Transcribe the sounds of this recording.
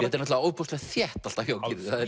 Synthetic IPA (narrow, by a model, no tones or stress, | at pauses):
ɛt̪ɛɾnɔtlaowpowst̪lɛɣθjɛht̪al̥t̪açjoːwcɪɾɪθaðɛ